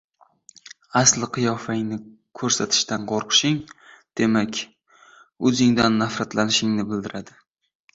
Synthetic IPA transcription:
aslɪqʰɨjɒfaɪŋnɪ | kʰɵɾsat̪ʰɪ̥ʃt̪anqʰoɾqʰɨ̥ʃɪŋd̪̥e̞makʲ | ɵzɪŋd̪anːafɾat̪lanɪʃɪŋnɪbɪld̪ɪɾad̪ɪ

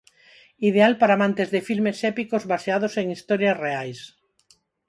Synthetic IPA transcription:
iðealpaɾaːmãnt̪ezðefilmesɛpikozβaseaðoseŋist̪ɔɾjasreajs

